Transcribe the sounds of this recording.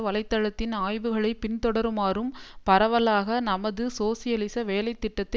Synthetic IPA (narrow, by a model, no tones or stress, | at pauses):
ʋɐlɐɪt̪ːɐɻɐt̪ːɪnaːjʋɯɣɐɭɐɪpɪnt̪ɔɽɐɾɯmaːɾɯmpɐɾɐʋɐlaːɣɐnɐmɐðɯsoːsɪjɐlɪsɐʋeːlɐɪt̪ːɪʈːɐt̪ːɐ